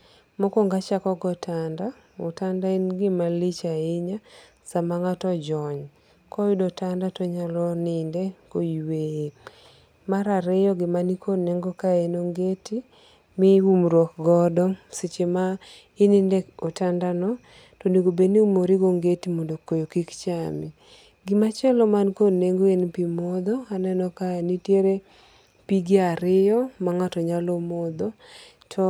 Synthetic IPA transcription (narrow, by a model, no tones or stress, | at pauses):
mɔkɔŋɡat͡ʃakɔɡɔtʰanda | ʊ̰tandainɡɪmalit͡ʃaiɲa | samaŋatɔd͡ʒɔɲ | kɔjʊdɔtandatɔɲalɔnɪndekoiweje | maɾaɾɪjɔɡɪmanikʰonɛŋɡɔkaenoŋɡeti | mɪumɾwɔkɡɔdɔsɪt͡ʃema | inɪndɛkotandanɔ | tɔneɡobeniumoɾiɡoŋɡetimɔndokojokikt͡ʃami | ɡɪmat͡ʃɛlɔmankoneŋɡoenpimɔd̪ɔanɛnɔkaenitjeɾe | piɡaɾɪjɔmaŋatɔɲalomɔd̪ɔ | tʰɔ